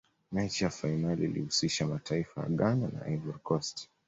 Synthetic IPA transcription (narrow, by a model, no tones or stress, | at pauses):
mɛt͡ʃijafainaliːlḭhusiʃamatʰaifaja̰ɠanana̰ʔavɔɾkɔst